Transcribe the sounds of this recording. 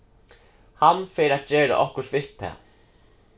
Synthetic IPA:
hanːfeːɾat̪̚d͡ʑeːɾa̰ʔɔhkʊʂʋɪt̪ʰːɛ̰ː

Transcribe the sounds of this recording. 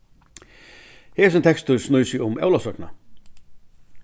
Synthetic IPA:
hɛːs̬ʏnt̪ʰɛkst̪ʏsnujsɪʊmɛ̰wlasœkna̰

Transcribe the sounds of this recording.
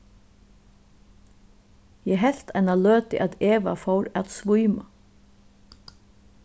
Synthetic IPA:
jɛɦɛl̥t̪ʰanaløːt̪ɪ̰ʔaðeːʋa̰fɔwɾaðsʋujma

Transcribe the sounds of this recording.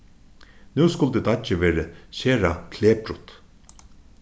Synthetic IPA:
nʉːskʊlt̪ɪt̪at͡ʃɪʋɛːɾəɕeːɾakʰleːpɾʊt̪

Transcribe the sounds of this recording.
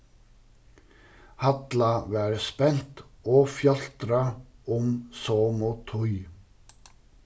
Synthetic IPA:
hat̪lavɛɾspɛn̥t̪ɔfjɑl̥t̪ɾaʊmsoːmɔt̪ʰʊj

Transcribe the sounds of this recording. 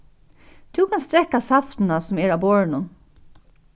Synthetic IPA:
d̪̥ʉːkʰɑnst̪ɾɛkɑsɑft̪n̩ɑsɔmeːɾɑːboːɹɳʊn

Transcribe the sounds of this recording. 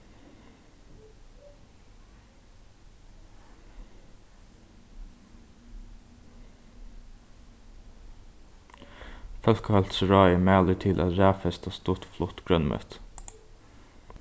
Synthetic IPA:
fœlkəhɑlt̪sɹɑːɪəmæːlət̪ʰɪlʔɑ̰ɾæːfɛst̪ɑːst̪ʊt̪flʊt̪ɡ̥ɾœnmœ̰t̪

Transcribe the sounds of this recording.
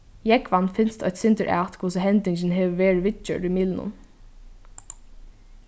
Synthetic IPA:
jɛɡʋanfɪnst̪ʰɔçt̪sɪnt̪əɹʔæ̰ːt̪kʰʊsɪɦɛnt̪ɪɲt͡ʃɪnɦɛːʋəʋeːɹɪʋɪt͡ʃə̰ɾumiːlnʊ̰n

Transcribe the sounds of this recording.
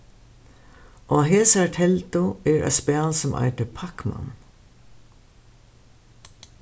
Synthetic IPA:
ʔoːɦeːsaɹt̪ʰɛlt̪ʊɛɹa̰spɛːlsɔmʔa̰jt̪əpʰakma̰n

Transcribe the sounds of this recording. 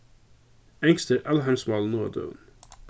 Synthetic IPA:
ɛŋst̪əɾʔɛlɦæɪmsmɑlnoːd̪ṵːn

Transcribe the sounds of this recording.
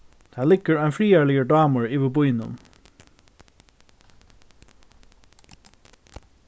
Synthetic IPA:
t̪ʰæːlɪɡəɹæɪnfɹiːæːɭɪɡəɖɑːməɹiːʋəbʊʏnʊ̰m

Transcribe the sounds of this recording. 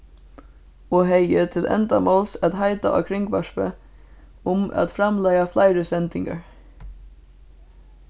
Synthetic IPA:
oːɦeɪət̪ʰɪlʔɛ̰nd̪ɑmoːlsɑt̪hɑɪd̪ɑ̰ʔɑ̰kʰɾɪŋɡʋɑʃpə | ʊmɑ̰t̪fɾɑmlæɪɑflæɪɾəsɛnd̪ɪŋɡɑ̰ɹ

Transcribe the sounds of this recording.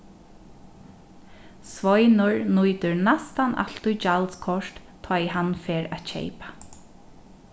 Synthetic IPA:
sʋɔjnʊɹnujt̪ʏɹnast̪anʔa̰l̥t̪ujt͡ʃalskʰɔʂt̪t̪ʰːɔjhanfeːɾa̰t̪t͡ɕʰḛjpḁ

